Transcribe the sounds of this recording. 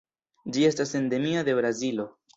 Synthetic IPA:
d͡ʒie̞stase̞nde̞miad̪e̞bɾazilo̞

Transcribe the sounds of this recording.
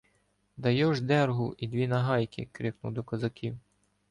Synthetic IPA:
d̪ɐjɔʒd̪ɛrɦʊʔid̪ʋʲinɐɦɑjkʲɪ̰kɾʲɪknʊ̰wd̪ɔkɐzɐkʲʰiw

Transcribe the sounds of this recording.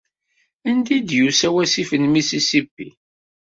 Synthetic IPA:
ænd̪id̪jusæwæsifənmisisibːḭ

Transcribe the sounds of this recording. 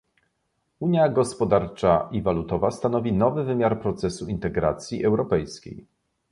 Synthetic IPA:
uɲjaɡɔspɔd̪aɾt͡ʂaʔivalut̪ɔvast̪anɔvʲinɔvɘvɘmʲjaɾpɾɔt̪sɛsuint̪ɛɡɾa̰t̪sʲjiʔɛwɾɔpɛjskʲḛj

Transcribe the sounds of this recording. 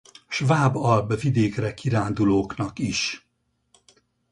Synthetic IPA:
ʃvaːbɒlbvid̪eːkrɛkiɾaːnd̪uloːknɒkiʃ

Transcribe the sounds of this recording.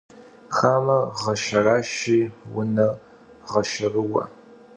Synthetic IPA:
χaːmɐʁɐʃɐraːʃiːwʊnɐ | ʁɐʃɪrɨwɐ̰

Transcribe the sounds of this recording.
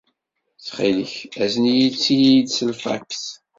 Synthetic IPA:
θχiləçæzənijit͡sːijid̪səlfæ̰kθ

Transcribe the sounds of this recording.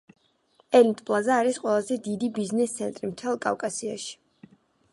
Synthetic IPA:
ɛlint̪ʼpʼlˠazaːɾisqʼwɛlˠazɛd̪id̪ibiznɛst̪sʰɛnt̪ʼɾimt̪ʰɛlˠkʼa̰vkʼasia̰ʃi̥

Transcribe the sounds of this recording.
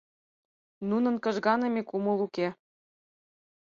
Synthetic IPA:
nunɤ̆nkɤ̆ʒɣɑnɤ̆mikumɤ̆luke

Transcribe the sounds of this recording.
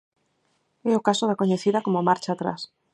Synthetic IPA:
ɛʊkasoðakoɲeθiðakomomaɾt͡ʃaːt̪ɾa̰s

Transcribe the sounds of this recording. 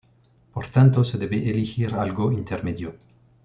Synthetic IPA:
poɾt̪ant̪oseðeβeʔelixiɾalɡoint̪eɾmeðjo

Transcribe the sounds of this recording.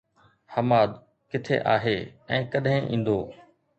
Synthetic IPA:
hɐmaːd̪ | kɪt̪ʰḛʔaːɦeːɛ̃ːkɐɗɦɪ̃ʔĩːn̆d̪oː

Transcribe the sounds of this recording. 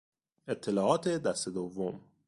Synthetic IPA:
e̞t̪ʰːe̞lɒːʔɒːt̪ʰed̪æst̪e̞d̪ovːom

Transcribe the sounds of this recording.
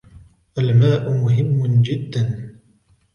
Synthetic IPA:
ʔalmaːʔʊmʊɦɪmːʊd͡ʒɪd̪ːan

